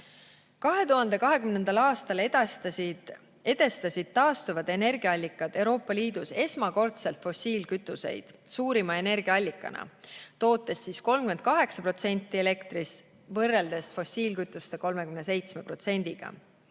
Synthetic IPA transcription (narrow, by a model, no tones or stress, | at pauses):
kɑɦe̞t̪uɦɑnd̪e̞kɑɦe̞kymne̞nd̪̥ɑlɑːst̪ɑl | e̞d̪e̞st̪ɑsʲid̪̥̚t̪ɑːst̪uvɑd̪e̞ne̞rɡ̥iɑɑlʲːikːˑɑd̪̥e̞wɾo̞ːpˑːɑliːd̪̥use̞smɑko̞rt̪selt̪fo̞sʲiːlkyt̪ːˑuse̞̰jd̪̥suːɾimɑe̞ne̞rɡiɑɑlʲːikːˑɑ̰nʔɑ̰t̪o̞ːt̪ːˑe̞sːiːsko̞lmkymend̪̚kɑɦe̞ksɑpro̞t̪se̞nʲt̪ːˑie̞le̞kt̪ɾis | vɤrːeld̪̥e̞sfo̞siːlkyt̪ˑːust̪eko̞lme̞kymne̞se̞jt̪sme̞pro̞t̪se̞nʲd̪̥iɡ̥ɑ̰